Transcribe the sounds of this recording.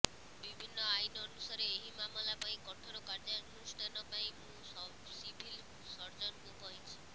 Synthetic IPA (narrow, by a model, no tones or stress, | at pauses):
bibʱinːɔajnːnusaɾeːɦimamɔlapaĩkɔʈʰɔɾɔkaɾd͡ʒaɡusʈ̪anɔpaĩmũ | sibʱil | sɔɾd͡ʒɔnkũkɔɦĩt͡ʃʰi̥